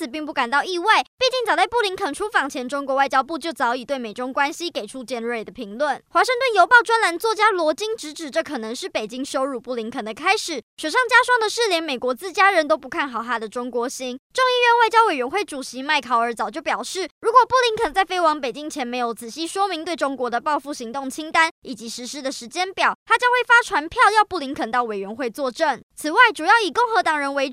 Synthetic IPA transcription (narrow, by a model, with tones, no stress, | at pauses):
t͡s̩ʰ˨˩pi˥˧ŋp̬u˥˩ka˨˩nt̪ɑ˥˧ʊi˥˧wa˥˩ɪpi˥˧t͡ɕi˥˩ŋt͡sɑ˨˩t͡sa˥˧ɪpu˥˩li˧˥ŋkʰə˨˩nʈ͡ʂʰu˥fɑ˨˩ŋt͡ɕʰjɛ˧˥nʈ͡ʂʊ˥ŋkwɔ˧˥wa˥˩ɪt͡ɕjɑ˥ʊpu˥˧t͡ɕjo˥˩ʊt͡sɑ˧˥ʊi˨˩t̪we˥˩ɪme˨˩ʈ͡ʂʊ˥ŋkwa˥nɕi˥ke˨˩ɪʈ͡ʂʰu˦t͡ɕjɛ˥˧nɻe˥˩ɪd̪ə˩pʰi˧˥ŋlwə˥˩nxwa˨˧˥ʂə˥˧ŋt̪wə˥˨njo˧˥ʊpɑ˥˩ʊʈ͡ʂwa˥nla˧˥nt͡swɔ˥˩t͡ɕja˥lwɔ˧˥t͡ɕi˥ŋʈ͡ʂɻ̩˧˥ʈ͡ʂɻ̩˨˩ʈ͡ʂɤ˥˩kʰɤ˨˩nə˧˦ŋʂɻ̩˥˩pe˨˩ɪt͡ɕi˥ŋʂo˥ʊɻu˥˧˩pu˥˩li˧˥ŋkʰə˨˩nd̪ə˩kʰa˥ɪʂɻ̩˨˩˦ɕɥɛ˨˩ʂɑ˥˩ŋt͡ɕja˥ʂwɑ˥˩ŋd̪ə˨ʂɻ̩˥˩ljɛ˧˥nme˨˩ɪkwɔ˧˥t͡sɹ̩˥˩t͡ɕja˥ɻə˧˦nt̪o˥ʊpu˧˥kʰa˥˩nxɑ˨˩ʊt̪ʰa˥d̪ə˨ʈ͡ʂʊ˥ŋkwɔ˧˥ɕi˥nʈ͡ʂo˥˧ŋi˥˧ɥɛ˧nwa˥˩ɪt͡ɕjɑ˥we˨˩ɪɥɛ˧˥nxwe˥˩ɪʈ͡ʂu˨˩ɕi˧˦ma˥˩ɪkʰɑ˧˥ʊə˞˧˥t͡sɑ˨˩ʊt͡ɕjo˥˩ʊpjɑ˨˩ʊʂɻ̩˥˩ɻu˧˥kwɔ˨˩pu˥˩li˧˥ŋkʰə˨˩nt͡sa˥˩ɪfe˥ɪwɑ˧˥ŋpe˨˩ɪt͡ɕi˦˥ŋt͡ɕʰjɛ˧˥nme˧˥ɪjo˨˩ʊt͡sɹ̩˨˩ɕi˥ʂwɔ˥mi˧˥ŋt̪we˥˩ɪʈ͡ʂʊ˥ŋkwɔ˧˥d̪ə˧˨pɑ˥˧ʊfu˥˩ɕi˧˥ŋt̪ʊ˥˩ŋt͡ɕʰi˥ŋt̪a˦˥ni˨˩t͡ɕi˧˥ʂɻ̩˧˥ʂɻ̩˥d̪ə˨ʂɻ̩˧˥t͡ɕjɛ˥npjɑ˨˩ʊt̪ʰa˥t͡ɕjɑ˥ŋxwe˥˩fa˥ʈ͡ʂʰwa˧˥npʰjɑ˥˧ʊjɑ˥˧ʊpu˥˩li˧˥ŋkʰə˨˩nt̪ɑ˥˩ʊwe˨˩ɪɥɛ˧˥nxwe˥˧ɪt͡swɔ˥˧ʈ͡ʂə˥˩ŋt͡s̩ʰ˨˩wa˥˩ɪʈ͡ʂu˨˩jɑ˥˩ʊi˨˩ko˥˩ŋxɤ˧˥t̪ɑ˨˩ŋɻə˧˥nwe˧ɪ